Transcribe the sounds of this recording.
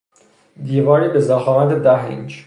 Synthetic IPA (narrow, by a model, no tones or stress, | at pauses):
d̪iːvɒːniːbezæxɒːmæt̪ʰed̪æɦḭnd͡ʒ